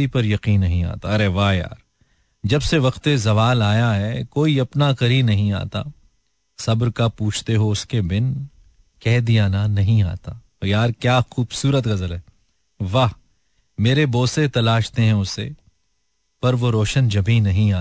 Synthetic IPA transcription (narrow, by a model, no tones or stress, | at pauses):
ipɐɾjɐqiːnːɐɦĩa̰ːt̪aɐɾeʋaːɦja̰ːɾ | d͡ʒɐbseʋɐqt̪ezɐʋaːlaːjaɦɛkoːiɐpnakɐɾinɐɦĩa̰ːt̪a̰ | sɐbɾkapuːt͡ʃʰt̪eɦoʊskebɪn | kɛɦd̪ijaːnanɐɦĩa̰ːt̪aː | jaːɾkjaːxuːbsuːɾət̪ɣɐzəlɦɛː | ʋaːɦ | meːɾeboːset̪ɐlaːʃt̪eɦɛ̃ʊsːḛ | pɐɾʋoɾoːʃənd͡ʒɐbʱiːnɐɦĩaː